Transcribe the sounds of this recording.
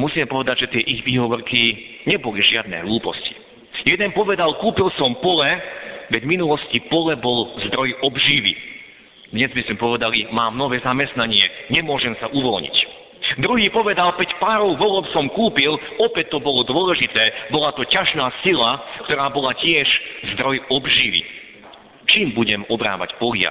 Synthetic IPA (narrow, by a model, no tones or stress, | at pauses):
musiːmɛpɔʋɛd̪aɟʒɛt̪ɪɛʔiɣʋiːɦɔʋɔrki | ɲɛbɔliʒɪad̪̚nɛ̰ɦluːpɔsci̥ | jɛd̪ɛnpɔʋɛd̪alkuːpilsɔmpɔlɛʋɛɟminulɔscipɔlɛbɔlzd̪ɾɔjɔbʒiːʋḭ | d̪ɲɛzmismɛpɔʋɛd̪alimaːmnɔʋɛːzamɛst̪naɲɪɛɲɛmʊɔʒɛmsaʔuʋɔlɲḭc | d̪ɾuɦiːpɔʋɛd̪alkɛcpaːɾɔʊʋɔlɔpsɔmkuːpil | ɔpɛt̪ːɔbɔlɔd̪wʊɔlɛʒit̪ɛːbɔlat̪ɔcaʒnaːsilakt̪ɔɾaːbɔlacɪɛʒzd̪ɾɔjɔbʒiʋḭ | t͡ʃiːmbuɟɛmɔbɾa̰ːʋa̰cpɔlja̰